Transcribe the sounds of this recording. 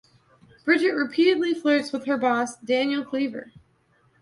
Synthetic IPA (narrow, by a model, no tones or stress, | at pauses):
b̥ɹɪd͡ʒɨt̚ɹɨpʰiɾɨdˡliflɜ˞tswəð̥ə˞bɔsd̥æ̃njl̩ˠkʰl̥ivə̰˞